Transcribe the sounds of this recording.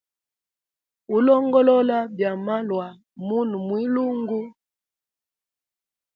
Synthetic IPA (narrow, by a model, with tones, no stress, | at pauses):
u˨˦lɔ˦ŋɡɔ˦lɔ˦la˦bja˨ma˦lwa˨ | mu˦nu˨mwi˦lu˦ŋɡu˦